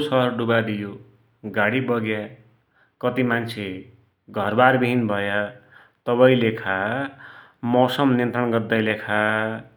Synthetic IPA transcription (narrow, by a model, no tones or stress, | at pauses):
sʌɦʌrɖubad̪ijo | ɡaɽibʌɡja | kʌt̪imant͡sʰe | ɡʱʌrbarbʱiɦinbʱʌja | t̪ʌbʌĩlekʰa | mʌsʌmnent̪ʌnɡʌrd̪ajlekʰa